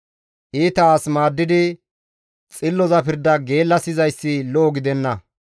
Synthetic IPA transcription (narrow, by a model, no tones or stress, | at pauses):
ʔiːt̪ɐaːsmaːd̪ːɪd̪ɪ | t͡sʼɪlːɔzɐpɪɾd̪ɐɡe̞ːlːɐsɪzɐjsːɪlɔʔɔɡɪd̪ɛnːɐ